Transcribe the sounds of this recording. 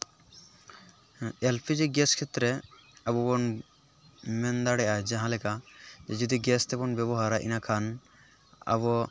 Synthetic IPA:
ɛlpʰid͡ʒiɡɛskʰɛt̪ɾɛabɔbɔn | mɛnd̪aɽɛad͡ʒaɦãlɛkad͡ʒɛd͡ʒɔd̪iɡɛst̪ɛbɔnbɛbɔɦaɾaʔḭnakʰan | a̰βɔ

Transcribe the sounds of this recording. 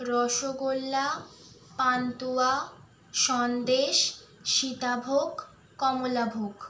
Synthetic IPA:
ɾɔʃoɡolːa | pant̪ua | ʃɔnd̪eʃ | ʃit̪abʱoɡː | ɔmolabʱoɡ

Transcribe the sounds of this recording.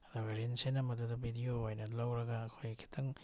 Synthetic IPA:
dabeɾensenɐmɐdudɐbʱidioajnɐlawɾɐɡaːkʰojkʰi̥tʰɐŋ

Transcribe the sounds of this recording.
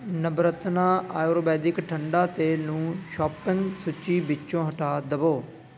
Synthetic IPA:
nəbɾət̪naːaːjoːɾoːbɛːd̪ɪkʈʰəɳɖaːt̪eːnũːʃɔːpəŋsʊt͡ʃːiːbɪt͡ʃːt͡ʃõːɦəʈaːd̪əboː

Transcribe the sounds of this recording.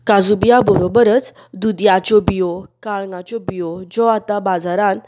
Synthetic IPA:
kad͡zubijabəɾobəɾət͡s | d̪ud̪jat͡ɕɔbijɔkaɭŋãt͡ɕɔbijɔd͡zɔat̪abad͡zaɾan

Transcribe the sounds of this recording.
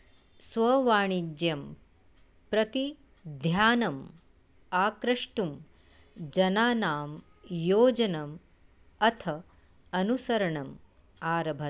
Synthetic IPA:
sʋɐʋaːɳid͡ʒjɐm | pɾɐt̪i | d̪ʱjaːnɐm | aːkɾɐʂʈum | d͡ʒɐnaːnaːm | joːd͡ʒɐnɐm | ɐt̪ʰɐ | ɐnusɐɾɐɳɐm | aːɾɐbʱɐ

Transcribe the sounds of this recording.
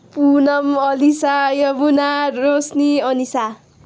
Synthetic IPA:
punʌmʌlisajʌbunaɾosniʌnisa

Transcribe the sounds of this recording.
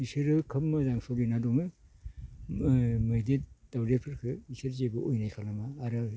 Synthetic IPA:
isɯɾɯkʰɯmːɯzaŋsoɾinadɔŋɯ | mɯjded̥awɾepʰɯɾkʰɯisɯɾzebɯʔojnajkʰalnamaːɾɯ

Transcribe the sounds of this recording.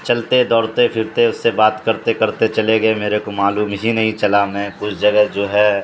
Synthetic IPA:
t͡ʃɐlt̪ed̪ɔːɾt̪epʰɪɾt̪eʊsːebaːt̪kɐɾt̪ekɐɾt̪et͡ʃɐleɡɐemeːɾekomaːluːmɦinɐɦĩt͡ʃɐlamɛ̃ːkʊt͡ʃʰd͡ʒɐɡɛɦd͡ʒoːɦɛː

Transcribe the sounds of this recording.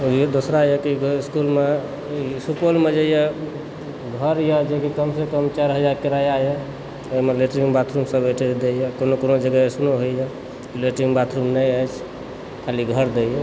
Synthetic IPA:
d̪osɾajekiɡiskulme | isupolmed͡ʒeje | ɡʱəɾjɛd͡ʒekikəmsekəmt͡ʃaɾɦəd͡ʒaɾkeɾajajɛ | emeleʈɾimbat̪ʰɾumsəbeʈʰed̪ejɛkonokonod͡ʒəɡəesnoɦojɛ | kileʈɾimbat̪ʰɾumnəəjt͡ʃʰ | kʰaliɡʱəɾd̪ejɛ

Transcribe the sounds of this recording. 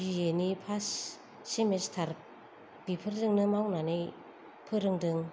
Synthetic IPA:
ijenipʰasː | imestʰaɾ | b̥ipʰɯɾdɯŋnɯmawnanej | pʰɯɾɯŋdɯŋ

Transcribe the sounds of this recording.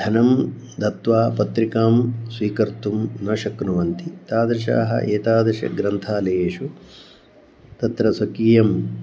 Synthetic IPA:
d̪ʱɐnɐm | d̪ʱɐt̪ʋaːpɐt̪ɾikaːmsʋiːkɐɾt̪umnɐːʃɐknuʋɐnt̪it̪aːd̪ɾɐʃ̬a̰ːɦɐ̰ʔeːt̪aːd̪ɾɐʃɐ̰ɡɾɐnt̪ʰaːlɐeːʂu | t̪ɐt̪ɾɐsɐkiːjɐm

